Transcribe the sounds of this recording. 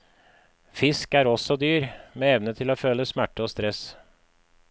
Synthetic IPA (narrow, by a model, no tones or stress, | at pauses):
fɪskæːɾɔsɔd̪yːɾmeːɛʋnət̪ʰɪloːføːləsmæʈːəoːst̪ɾɛs